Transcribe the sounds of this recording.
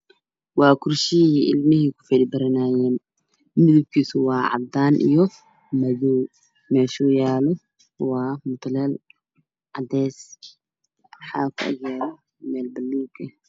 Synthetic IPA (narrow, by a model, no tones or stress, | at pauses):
wɑːkʰʊrʃɪiʔɪlmɪɦikʰʊ̥fɛdbɐɾɪnaːjɛːn | mɪðɪb̚kʰiːsʊwɑːʕɑ̰d̪aːnʔḭjɔ | mɐðɔw | mɛːʃɔːjaːlɔ | wɑːmʊt̪ʰlɛl | ʕɑd̪ɛskʰ | ħaːkʰʊʔɐ̰ɡjaːlɔ | mɛːlbɐlːuːkʰɐ